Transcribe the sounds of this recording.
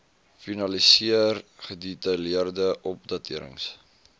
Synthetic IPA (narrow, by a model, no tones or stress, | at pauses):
finɐlisiərχəditɐliərdəʔɔp̚dɐtiəɾə̰ŋs